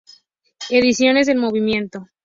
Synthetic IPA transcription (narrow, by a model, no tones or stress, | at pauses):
e̞ðisjo̞ne̞zðelmo̞β̞imjẽ̞nt̪o